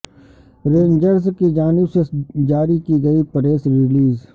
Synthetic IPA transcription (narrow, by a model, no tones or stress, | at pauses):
ɾẽːnd͡ʒəɾskid͡ʒaːnɪbsed͡ʒaːɾikiɡɐipɐɾeːsɾɪliːz